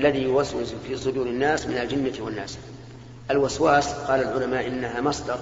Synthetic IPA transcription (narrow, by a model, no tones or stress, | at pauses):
lːaðijʊwaswɪzfiːsˤʊd̪uːɾɪnːaːsmɪnald͡ʒɪnːawanːa̰ːs | ʔalwaswaːsqɑːlalʕʊlamaːʔɪnːaɦaːmɑsˤd̪ɑɾˤ